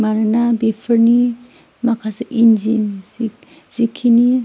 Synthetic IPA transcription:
maɾɯnabepʰəɾni | makʰasaʔind͡ʒin | z̥ikʰini

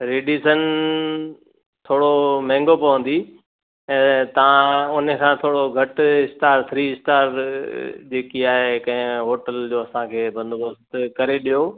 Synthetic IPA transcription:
ɾeːɖisən | t̪ʰoːɽomɛ̃ːŋɡopɐʋə̃nd̪i | ɛ̃ːt̪ɐʋ̤ãʊnəkʰãːt̪ʰoːɽoɡʱɐʈɪsʈaːɾt̪ʰɾiːɪsʈaːɾ | d͡ʑeːkiaːɦekɐ̃ɦɪ̃ɦoːʈəld͡ʑoːɐsãkʰeːbɐ̃nd̪obɐst̪kɐɾeɗijoː

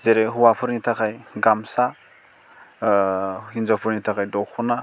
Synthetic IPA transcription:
zeɾeɦuwapʰɯɾnitʰakʰajɡamsa | hinzapʰɯɾnitʰakʰajdɔkʰɔna

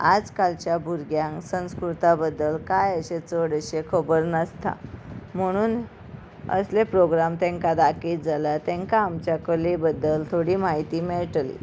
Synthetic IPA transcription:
a̰d͡zkalt͡ɕjabʱuɾɡjãŋksə̃w̃skɾut̪abəd̪ːəlkajəɕet͡səɽəɕekʰəbəɾnəst̪ʰa̰m̤əɽ̃uːn | ə̰slepɾoɡɾamt̪ẽŋkad̪akiːt̪̚d͡zʱalat̪ẽŋkaːmt͡ɕjakəlebəd̪ːəlt̪ʰoɽiːmaɦit̪iːmeɭʈlḭ

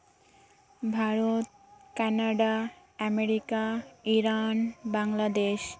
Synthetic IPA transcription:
bʱaɾot̪ | kɛnaɖa | ɛmeɾikaiɾanbaŋlad̪eʃ

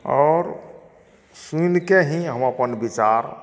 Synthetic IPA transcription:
ɔːɾ | sunkeɦĩɦəməpənbit͡ʃaɾ

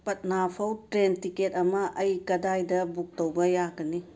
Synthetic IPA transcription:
pɐt̚napʰɐwtɾentiket̚ɐmɐʔɐjkɐdajdɐbuk̚tɐwbɐjaɡɐni

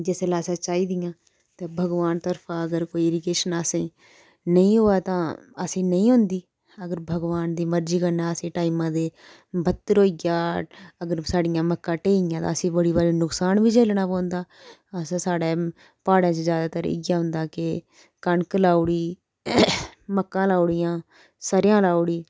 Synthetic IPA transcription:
d͡ʒeːselaːsãːt͡ʃaːiːd̪ɪjãː | t̪ẽːbʱəɡʋaːnt̪əɾpʰãːəɡəɾkoːieɾɪkeːʃənaːsĩː | nəĩːɦoːaːt̪ãːəsĩːnəĩːɦʊ̃nd̪iː | əɡəɾbʱəɡʋaːnd̪iːməɾd͡ʒiːkənːaːəsĩːʈaːimãːd̪eː | bət̪ːəɾɦoːiɡaːəɡəɾsaːɖɪjãːməkːãːʈeːɪjãːt̪ãːəsĩːbəɽiːbəɾinʊksaːnʋiːt͡ʃeːlnaːpãːnd̪aː | əssaːɽeː | paːɽãːt͡ʃzjaːd̪aːt̪əɾɪ̰ɡjaːɦʊ̃nd̪aːkɪ | kəɳklaːuɽiː | məkːãːlaːuɽɪjãː | saːɾɪjãːlaːɽiː

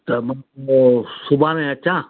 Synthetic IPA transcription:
t̪ɐmɐ̃ | sʊbʱãːnẽɐt͡ɕãː

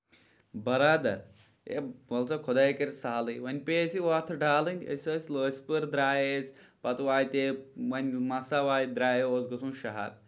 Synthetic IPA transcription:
bɐɾaːd̪ɐɾ | ḛʋɐlt͡sɐkʰʊd̪aːjkɐɾsaːlɨʋɐnʲpeːsiʋat̪ʰɨɖaːlinʲɡʲɐ̰sʲəːsləːsʲpɨɾd̪ɾaːjesʲ | pɐt̪uʋaːjt̪ewɐnʲmɐsaʋaːjid̪ɾaːjoːzɡɐsũːʃɐɦa̰ɾ

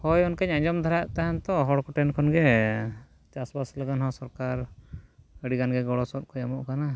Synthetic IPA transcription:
hɔjɔnkəɲaɲd͡ʒɔmd̪ʱɔɾajaʔt̪aɦant̪ɔɦɔɽkɔʈɛnkʰɔnɡɛ | t͡ʃasbasləɡanɦɔ̃wsɔɾkaɾ | əɽiɡanɡɛɡɔɽɔsɔt̪̚kʰɔɲamɔʔkana

